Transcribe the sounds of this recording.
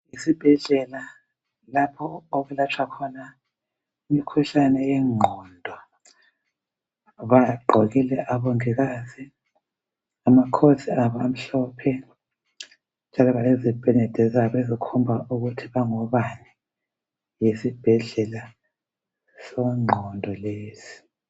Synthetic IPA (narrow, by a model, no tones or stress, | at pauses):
jisib̥ʱɛɮɛla | lapʰɔoɣulat͡ʃʰwakʰɔna | imikʰuɬanɛjɛŋ͡ǃʱɔndʱɔ | βaɡ͡ǃʱoɣilɛʔaβoŋiɣaːzi | amakʰosiaβɔam̩ɬɔpʰɛ | nd͡ʒʱalɔβalezib̥ʱɛnɛd̥ʱɛzaβezikʰumbʱaʔuɣutʰiβaŋɔβani | jesib̥ʱɛɮɛla | sɔŋ͡ǃʱɔndʱɔleːsi̥